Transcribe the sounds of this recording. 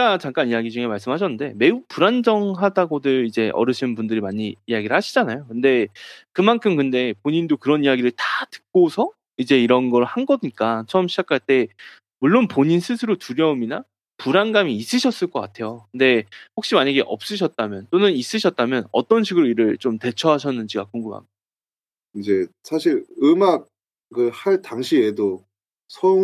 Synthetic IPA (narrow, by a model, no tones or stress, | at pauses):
at͡ɕaŋk͈anijaɡid͡ʑuŋɦemaɭs͈ɯmɦaɕ̬ʰʌnːɯnde̞me̞upuɾand͡ʑʌŋɦadaɡodɯɭid͡ʑe̞ʔʌ̰ɾɯɕʰinnpundɯɾimaɲiːjaɡiɾɯɭhaɕʰid͡ʑanajokɯnde̞kɯmankʰɯmkɯnde̞poɲindokɯɾʌnijaɡiɾɯɭtatɯ̥k̚k͈osʰʌ | id͡ʑe̞iɾʌnɡʌɾhanɡʌɲik͈at͡ɕʰʌɯmɕʰid͡ʑakʰaɭt͈e̞ | muɭːonpoɲinsʰɯsʰɯɾotuɾjʌumina | puɾanɡamiːs͈ɯɕʰʌs͈ɯɭk͈ʌk͈atʰe̞jokɯnde̞ɸok̚ɕ͈imaɲaɡe̞ʔʌp̚s͈ɯɕ̬ʰʌt̚t͈amjʌnt͈onɯnis͈ɯɕʰʌt̚t͈amjʌnʌ̰t͈ʌnɕʰiɡɯɾoiɾɯɭt͡ɕomte̞t͡ɕʰʌɦaɕʰʌnːɯnd͡ʑiɡa̰koŋɡɯmɦa̰mɲida | id͡ʑe̞sʰaɕʰiɾɯmak̚ | kɯhaɭtaŋɕʰiedo | sʰʌ